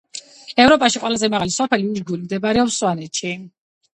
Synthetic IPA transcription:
ɛvɾɔpʼaʃiqʼwɛlazɛmaʁalisɔpʰɛliid͡ʒɡulimd̪ɛbaɾɛɔpsːwanɛt̪ʃi

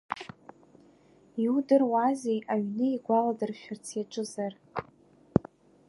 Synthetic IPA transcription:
iudɨrwazejʔaɥnɨiɡʷaladɨrʃᶣart͡sʰjaʈ͡ʂʼɨzar

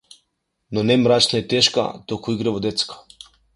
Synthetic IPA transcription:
nɔnɛmɾat͡ʃnaɛt̪ɛʃka̰t̪ɔkuiɡɾɛvɔd̪ɛt̪skḁ

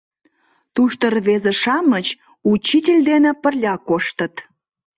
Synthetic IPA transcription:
t̪uʃt̪ərβezeʃɑmət͡ɕ | ut͡ɕːitʲelʲd̪enepərlʲɑkoʃt̪ət̪

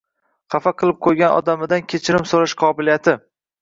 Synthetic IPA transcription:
χɑfaqʰɨlˠɪp̚qʰojɡʲanɒ̰d̪amɪd̪ankʲʰet͡ʃʰɪɾɪmsoɾaʃqʰɒbɪlijat̪ʰɪ

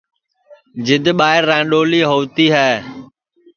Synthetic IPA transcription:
d͡ʒɪd̪ʱɓaːɪɾːãːɗoːliːɦoːʋt̪iːɦɛː

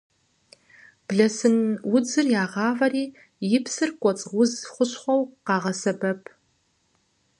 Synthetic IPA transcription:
b̥ɮɐsɨnwʊd͡zɨrjaːʁɑːvɐriː | jɪpsɨrkʷʼɔt͡sʼwʊzχʷʊɕχʷɔwqɑːʁɐsɐbɐpʰ

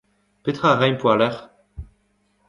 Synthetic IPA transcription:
pet̪χaʁɛjpwalɛʁ

